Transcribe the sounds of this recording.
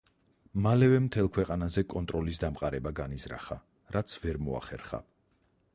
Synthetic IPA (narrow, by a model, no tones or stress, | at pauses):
malɛvɛmt̪ʰɛlˠkʰwɛqʼanazɛkʼɔnt̪ʼɾɔlisd̪amqʼaɾɛbaɡanizɾa̰χa̰ | ɾat̪sʰvɛɾmɔa̰χɛ̰ɾχa̰